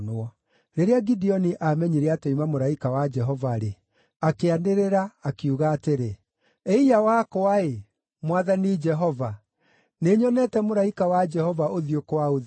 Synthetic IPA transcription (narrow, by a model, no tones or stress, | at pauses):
nɔ | ɾeɾeaɡidiɔniʔamɛɲiɾeataimamoɾaikawad͡ʒɛɦɔvaɾe | akeaneɾeɾaːkiuɣaːteɾe | eijawakoae | mwaðanid͡ʒɛɦɔva | neɲɔnɛtɛmoɾaikawad͡ʒɛhɔvaʔoðiokowao